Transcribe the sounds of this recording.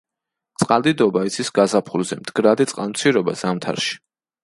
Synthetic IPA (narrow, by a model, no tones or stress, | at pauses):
t̪sʼqʼalˠd̪id̪ɔbait̪sʰisɡazapʰulzɛ̰md̪̥ɡɾad̪it̪sʼqʼant̪sʰiɾɔba̰zamt̪ʰa̰ɾʃi̥